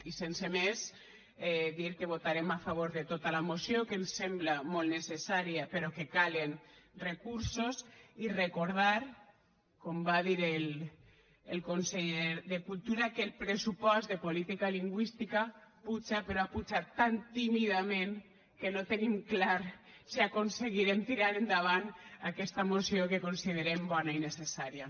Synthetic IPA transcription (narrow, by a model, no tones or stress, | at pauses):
isensemes | ɛðiɾkeβ̞ot̪aɾemafaβ̞oɾðet̪ot̪alamosjokensemblamolnesesaɾiapeɾɔkekalenrekuɾsosirekoɾð̞aɾ | kombaðiɾel | elkonseʎeɾðekulˠt̪uɾakelpɾesupɔzðepolit̪ikaliŋɡwist̪ikaput͡ʃapeɾoaput͡ʃat̪ːant̪imiðamẽn | kenot̪enimklaɾ | siakonseɣiɾemt̪iɾaɾend̪aβ̞anakɛst̪amosiokekonsið̞eɾembɔnainesesaɾia